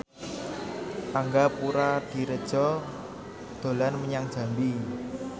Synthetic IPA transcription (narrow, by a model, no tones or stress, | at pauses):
ʔaŋɡapuɾad̪̥i̤ɾəd̥ʒ̥ɔ | d̪̥o̤lanməɲaŋd̥ʒ̥a̤mbi